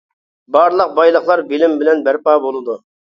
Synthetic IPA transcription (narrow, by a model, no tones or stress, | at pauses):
bɑɾlˠəq̚bɑjlˠəχlˠɑɾbɪlɪmbɪlɛnbæɾpɑːbolˠɨd̪u